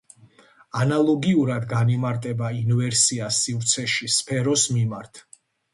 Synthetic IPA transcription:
analˠɔɡiuɾad̪ɡanimaɾt̪ʼɛbainvɛɾsiasivɾt̪sʰɛʃispʰɛɾɔsmimaɾt̪ʰ

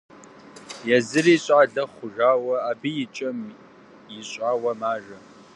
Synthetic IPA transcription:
jɛzɨriːɕʼaːɮɐχʷʊʒaːwɐaːbijɪt͡ʃʼɐm | jɪɕʼaːwɐmaːʒɐ

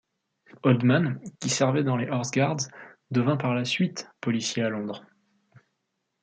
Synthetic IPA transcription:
ɔld̪mankʲisɛʁvɛd̪ɑ̃leʔɔʁsɡaʁd̪zd̪əvɛ̃paʁlasɥit̪pɔlisjealɔ̃d̪ʁ

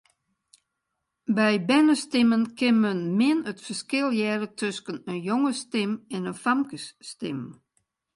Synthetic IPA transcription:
bɛjbɛnəstɪmənkɪnmənmɪənətfərskɪlˠjɛːrətʰøskənənjoŋəstɪmɛnəfamkəsːtɪm

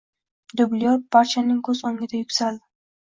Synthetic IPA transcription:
d̪ʊblijɔpaɾt͡ʃʰanɪŋkʰɵzoŋɡʲɪd̪ajʊkʲsal

